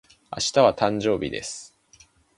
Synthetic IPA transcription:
a̰ɕi̥t̪aβat̪ãɲ̟d͡ʑo̞ːbʲid̪e̞̰sɨ̥

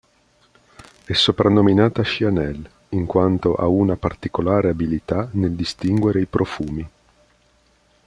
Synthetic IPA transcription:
ɛsːopɾanːominaːt̪aʃianɛl | iŋkwant̪oʔa̰unapart̪ikolaːɾeabilit̪aneld̪ist̪iŋɡweɾeipɾʔofuːmi

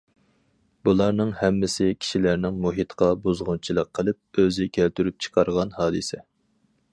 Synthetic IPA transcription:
bulˠɑɾnɨŋhɛmːɪsɪkʲʰi̥ʃilæɾnɪŋmuɦit̪qʰɑbuzʁʊnt͡ʃʰilˠəqʰːəlˠɨp̚øzɪkʲʰælt̪yɾyp̚t͡ʃʰqʰɑɾʁɑnhɑːd̪ɨsɛ

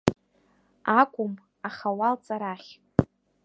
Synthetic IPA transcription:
akʷʼʊm | aχawalt͡sʼaɾaχʲ

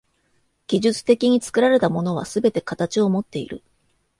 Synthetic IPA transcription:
ɡ̥ʲiʑɨt͡sɨ̥t̪e̞kʲiɲ̟it͡sɨ̥kɯ̟ɾaɾe̞t̪amo̞no̞β̞a̰sɨbe̞t̪e̞kat̪at͡ɕio̞mo̞t̪ːe̞ḭɾɯ̟̰

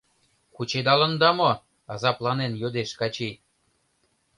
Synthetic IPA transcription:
kut͡ɕed̪ɑlə̆nd̪ɑmo | ɑzɑplɑnenjod̪eʃkɑt͡ɕi

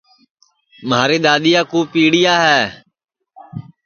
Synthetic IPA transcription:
maːɾeːɗ̪aːɗ̪ɪjaːkuːpiːɽɪjaːɦɛː

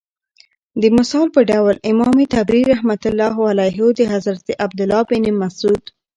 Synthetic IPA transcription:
d̪əmʊsɑlpəɖawlɪmɑmet̪abɾiɾahmat̪ʊlːɑɦwalajɦod̪əɦazɾat̪eʔab̚d̪ʊlːɑbɪnemasud̪

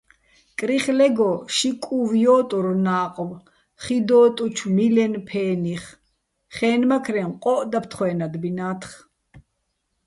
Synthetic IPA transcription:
kʼɾiχlɛɡɔʃikʼuvjɔːt̪ʼuɾnaːqʼw | χid̪ɔːt̪ʼut͡ʃʰmilɛnpʰɛːniχ | χɛːnmakʰɾɛmqʼɔːʔd̪apʰt̪ʰχwɛːnad̪binaːt̪ʰχ

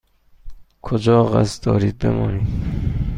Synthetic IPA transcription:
kʰod͡ʒɒːɣæ̰sd̪ɒːɾiːd̪̚bḛmɒːniːd̪

